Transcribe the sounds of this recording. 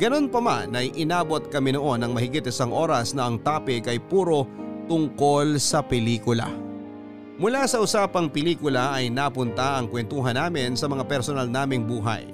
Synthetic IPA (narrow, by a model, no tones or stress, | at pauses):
ɡɐno̞npɐma̰nɐjʔɪnaːbo̞t̪̚kɐmɛnoʔo̞nɐŋmɐhɪɡɪt̪̚ɪsaŋʔo̞ːɾɐsnɐʔɐŋt̪aːpɪɡɐjpuːɾo̞t̪ʊŋko̞lsɐpɛliːkʊla̰ | mʊlasɐʔʊsaːpɐŋpɪliːkʊlɐʔɐjnaːpʊnt̪aʔɐŋkwɛnt̪uːɦɐnaːmɪnsɐmɐŋapɛɾsonalnaːmɪŋbuːɦɐ̰j